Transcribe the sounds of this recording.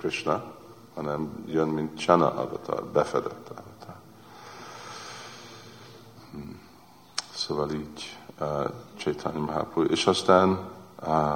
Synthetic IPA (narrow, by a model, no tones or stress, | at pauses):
kriʃnɑ | hɒnɛmjønmint̪t͡ʃanɒ̰ʔɒ̰d̪ɒ̰t̪ʰɒ̰bɛfɛd̪ɛt̪ʰːɑ̰d̪ɔt̪ʰɒ | h̩ | soːvɑliːɟ | t͡ʃejt̪ʰanmaɦa̰pʰuʔeːʃɒst̪aːn